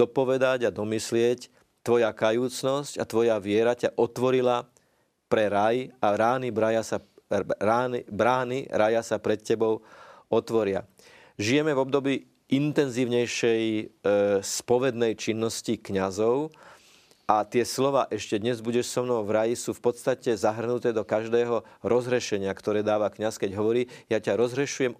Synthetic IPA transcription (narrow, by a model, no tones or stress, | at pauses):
d̪ɔpɔʋɛd̪aɟad̪ɔmislɪɛc | t̪ːʋɔjakajuːt͡snɔscat̪ʋɔjaʋɪɛɾacaʔɔt̪ʋɔɾila | pɾɛɾajaɾaːnibɾajasaɾaːnibɾaːnḭɾajasapɾɛt̪cɛbɔʊɔt̪ʋɔɾɪa̰ | ʒijɛmɛvɔb̚d̪ɔbiː | ʔint̪ɛnziːʊɲɛjʃɛj | spɔʋɛd̪nɛjt͡ʃinːɔscikɲazɔʊ | ʔat̪ɪɛslɔʋaːʔɛʃcɛd̪ɲɛzbuɟɛʃsɔmnɔʊvɾajisuːfpɔt̪st̪acɛzaɦr̩nut̪ɛːd̪ɔkaʒd̪ɛːɦɔɾʔɔzɦɾɛʃɛɲɪakt̪ɔɾɛːd̪aːʋakɲaskɛɟɦɔʋɔɾiːjacaɾɔzɦɾɛʃujɛm